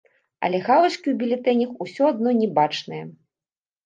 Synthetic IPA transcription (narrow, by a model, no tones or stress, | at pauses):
ɐ̰lʲɛɣavɐt͡ʂkʲiwbʲilʲɛt̪ɛnʲɐxusʲɔad̪̚nɔnʲɛbat͡ʂnɨjɐ